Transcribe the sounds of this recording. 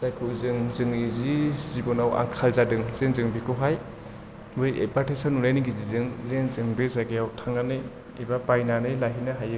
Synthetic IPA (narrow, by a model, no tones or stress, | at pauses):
z̥ajkʰɯzɯŋzɯŋizizibɔnawa̰ŋkʰalzadɯŋz̥enzɯŋbikʰuɦaj | bɯjḛpatesɔnunajniɡizizɯŋzenzɯŋbezaɡejawtʰaŋanɯj | ebapajnanɯjlaɦinaɦajɯ